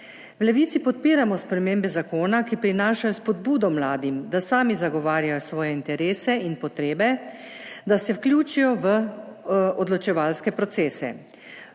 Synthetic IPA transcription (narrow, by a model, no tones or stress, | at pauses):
wlɛʋiːt̪ipɔt̪̚piːɾamɔspɾɛmembɛzakoːnakipɾinaːʃajɔspɔd̪buːd̪ɔmlaːd̪imd̪asaːmizaɡɔʋaːɾjajɔsʋɔːjɛint̪ɛɾeːsɛinpɔt̪ɾeːbɛ | d̪asɛwklʲjuːt͡ʃijɔʋə | ɔd̪lɔt͡ʃɛʋalskɛpɾɔt̪seːsɛ̰